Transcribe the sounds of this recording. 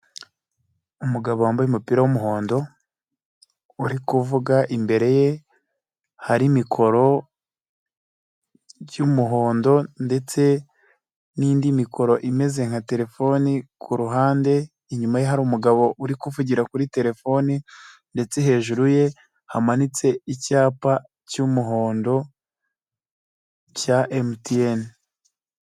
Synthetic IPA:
umuɡaβowaːmbajumupiɾawumuɦo̞ːndo̞ | uɾikuvuɡaʔimbe̞ɾe̞je̞ | haɾimikʰo̞ɾo̞ | jumuɦo̞ːndo̞nde̞t͡se̞ | niːndimikʰo̞ɾo̞ʔime̞ze̞ŋ̥hate̞ɾe̞fo̞nikʰuɾuɦaːnde̞ | iɲumajeɦaɾuːmuɡaβo̞ʔuɾikuvuɟiɾakuɾite̞ɾe̞fo̞ninde̞t͡se̞ɦe̞ːʒuɾuje̞ | hamanit͡se̞icaːpa | cumuɦo̞ːndo̞ | caʔemtien

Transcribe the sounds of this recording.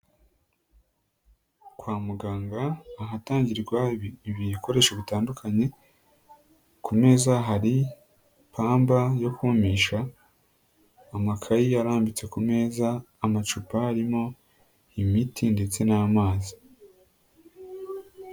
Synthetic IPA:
kwaːmuɡaːŋɡaːɦataːɲɟiɾɡwaiβiko̞ɾe̞ːʃaβutaːndukʰaɲe̞ | kʰume̞ːzaɦaɾi | pʰaːmbajo̞kumiʃa | makʰajiaɾaːmbit͡swe̞kume̞ːzaː | mat͡ʃupahaɾimo̞ | imitʰinde̞t͡se̞naːmaːzi

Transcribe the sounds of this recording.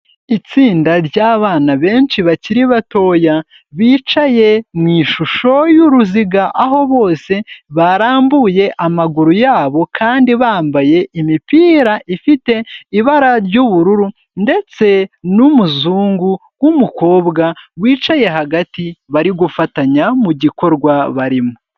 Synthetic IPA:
it͡siːndaɾɟaːβaːnaβe̞ːnʃiβaciɾiβato̞ja | βiːt͡ʃaje̞mŋiːʃuʃo̞juɾuziɡaʔaɦo̞βo̞ːse̞βaɾaːmbuje̞ʔamaɡuɾujaːβo̞kʰaːndiβaːmbaje̞ʔimipiːɾaʔifite̞iβaɾaɾɟuβuɾuɾu | nde̞t͡se̞numuzuːŋɡuɡwumuko̞ːbɡaβwiːt͡ʃaje̞ɦaɡatiβaɾiɡufataɲamuɟiko̞ɾɡwaβaɾimo

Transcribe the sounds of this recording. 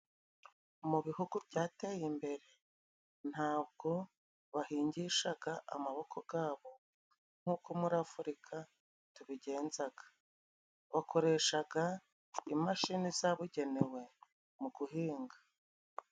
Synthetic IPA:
muβihuɡubɟaːtejimbe̞ɾe̞ | n̥haːb̚ɡo̞ | βahiːɲɟiʃaɡaʔa̰maβo̞kʰo̞ɡaːβo̞ | ŋ̥uːkomuɾafuɾikʰa | tuβiɟe̞ːnzaɡ̥ḁ | βakʰo̞ɾe̞ʃaɡa | imaʃinizaβuɟe̞ne̞we̞ | muɡuɦiːŋɡḁ

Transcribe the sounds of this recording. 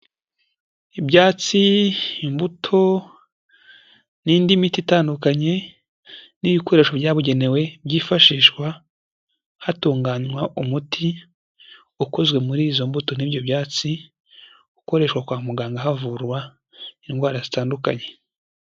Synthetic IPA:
ibjaːt͡siimbutʰo̞ | niːndimititaːndukaɲe̞ | niːβiko̞ɾe̞ːʃoβɟaːβuɟe̞ne̞we̞bɟiːfaʃiːʃkwa | hatuːŋɡaɲwaʔumutʰi | uko̞zɡwe̞muɾiːzo̞mbuto̞nibjo̞bjaːt͡si | uko̞ɾe̞ʃwakwaːmuɡaːŋɡaɦavuɾwa | inɡwaːɾazitaːnduka̰ɲe̞

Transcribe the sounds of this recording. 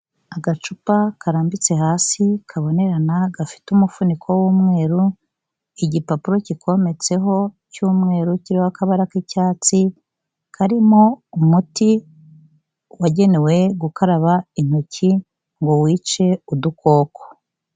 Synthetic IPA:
aɡat͡ʃupakʰaɾaːmbit͡se̞haːsikʰaβo̞ne̞ɾanaɡafi̥tumufunikʰo̞wuːmŋe̞ːɾu | iɟipapuɾo̞cikʰo̞me̞t͡se̞ɦo̞ | cuːmŋe̞ːɾuciɾioakaβaɾakicaːt͡si | kʰaɾimoumuti | waɟe̞ne̞we̞ɡukaɾaβain̥uci | ŋɡo̞wiːt͡ʃe̞udukʰo̞ːkʰo̥

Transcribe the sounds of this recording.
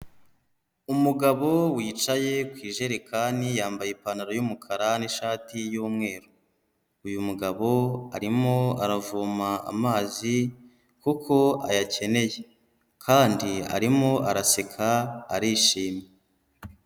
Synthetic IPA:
umuɡaβo̞wiːt͡ʃaje̞kwiːʒe̞ɾekʰaːnijaːmbajepanaɾojumukʰaɾaniʃaːtijuːmŋe̞ːɾo | ujumuɡaβo̞a̰ɾimoaɾavuːmaa̰maːzi | kukʰo̞a̰jace̞ne̞je̞ | kʰaːndia̰ɾimo̞ʔaɾasekʰaːɾiʃiːmje

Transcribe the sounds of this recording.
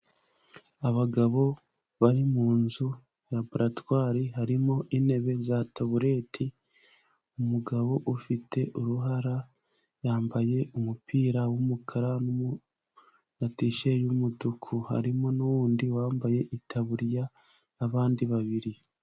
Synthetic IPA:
aβaɡaβo̞ | βaɾimuːnzu | ɾaboɾatwaːɾiɦaɾimo̞ʔine̞βe̞zatoβuɾe̞tʰi | umuɡaβo̞ʔufitʰe̞ʔuɾuɦaɾa | jaːmbaje̞umupʰiːɾawumukʰaɾanumu | natiʃe̞jumudukʰuha̰ɾimo̞nuwuːndiwaːmbaje̞ʔitʰaβuɾjaː | βaːndiβaβiɾi

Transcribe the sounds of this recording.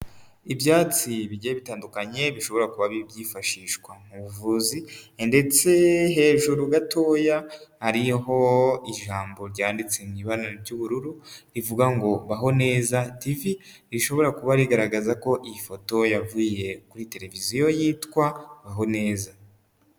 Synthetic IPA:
ibjaːt͡siβiɟeeβitaːndukaɲe̞βiʃo̞βo̞ɾakuβaβibɟiːfaʃiːʃkwaŋuβuvuːzinde̞t͡se̞ɦe̞ːʒuɾuɡatʰo̞ːjahaɾiɦo̞iʒaːmbo̞ɾɟaːndit͡seniβanaɾoɾɟuβuɾuɾuɾivuɡaŋɡo̞βaɦo̞ne̞ːzativi | ɾiʃo̞βo̞ɾakuβaɾiɡaɾaɡazako̞ʔifo̞to̞javuje̞kuɾite̞ɾe̞vizijo̞jiːtkwaβaɦo̞ne̞ːza

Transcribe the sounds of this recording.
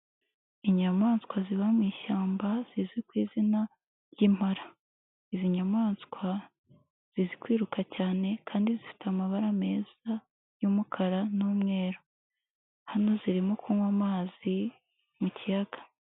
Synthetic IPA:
iɲamaːnskwaziβamŋiːʃaːmbaz̥izwikwiːzina | ɾjim̥haɾa | iziɲamaːnskwa | z̥izikwiːɾukʰacaːne̞kʰaːndizifi̥tamaβaɾame̞ːz̥a | jumukʰaɾanuːmŋe̞ːɾo | hano̞ziɾimo̞kuːŋwamaːzi | mucijaɡ̥ḁ

